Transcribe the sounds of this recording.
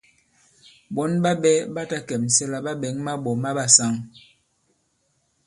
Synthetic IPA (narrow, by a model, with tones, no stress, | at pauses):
bɔ˦nɓa˦bɛ˦ba˦ta˦kɛ˨m̩˨sɛ˦la˦ba˦ɓɛ˨˦ŋma˦ɓɔ˨ma˦ɓa˦sa˦ŋ